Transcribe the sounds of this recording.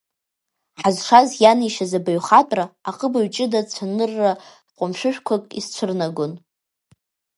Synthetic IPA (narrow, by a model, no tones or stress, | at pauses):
ħazʂazjaniʃazabaɥχatʼraːqʼəbaɥt͡ʃʼɪdat͡sʷʰanɨrːa | qʷʼamʃʷᶣɨʃᶣkʷʰakʼḭst͡ɕʷʰɨrnaɡʷon